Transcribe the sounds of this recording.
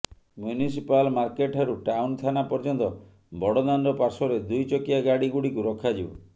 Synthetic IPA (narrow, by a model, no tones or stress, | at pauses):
mjunisipalmaɾkeʈʰaɾuʈawnt̪ʰanapɔɾd͡ʒɔnt̪ɔ | bɔɽɔd̪anɖɔpaɾsɔɾed̪ujt͡ʃɔkiaɡaɽiɡuɽikuɾɔkʰad͡ʒibɔ̰